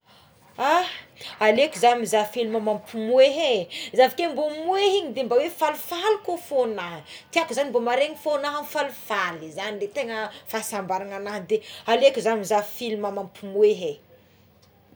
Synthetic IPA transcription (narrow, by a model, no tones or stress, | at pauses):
ahalekʲuzamizafiluməmampʰumueɦezavikembomueɦiɲid̪embawefalufalikofonaɦət̪iakuzanimbomaɾeŋifonaɦanfalufalizanilet̪eŋəfasambaɾaŋanaɦnd̪ealekuzamizavifilumamampʰumueɦe